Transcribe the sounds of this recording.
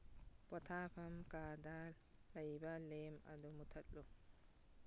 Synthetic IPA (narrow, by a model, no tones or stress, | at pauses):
pɔtʰaːfamkaːdalː | ajbalːɛma̰dɔmutʰaɗːɔ